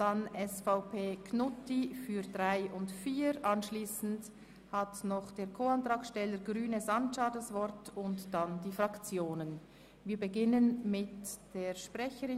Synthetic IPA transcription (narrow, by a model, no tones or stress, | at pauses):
d̥anʔɛsfaʊpʰeːkʰnʊtifyːdʁaɪʊntfiːɾʔɑnʃliːsn̩t | hatnɔχd̥eːɐkʰoːɑntʁ̥ɑːkʃtɛləɾɡʁyːnəsant͡ʃadasvɔɾtʊntd̥andiːfʁɑkt͡sjoːnən | viːɐbəɡɪnənmɪtd̥eːɐʃpʁɛçəɾɪ